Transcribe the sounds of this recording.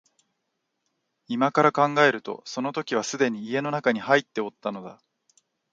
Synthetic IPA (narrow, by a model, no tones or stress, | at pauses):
imakaɾakãŋɡae̞ɾɯ̟t̪o̞̰so̞no̞t̪o̞kʲiβ̞asɨd̪e̞ɲ̟iːe̞no̞nakaɲ̟ihait̪ːe̞o̞t̪ːano̞d̪a̰